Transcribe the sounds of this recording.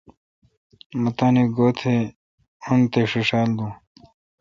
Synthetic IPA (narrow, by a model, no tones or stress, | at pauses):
mɐt̪aːniɡoːt̪ʰe | ont̪eʂiʂaːld̪ũː